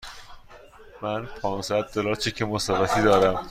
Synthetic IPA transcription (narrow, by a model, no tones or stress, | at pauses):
mænpʰɒːnsæd̪̚ːolɒːɾt͡ʃʰecʰemosævæt̪ʰiːd̪ɒːɾæm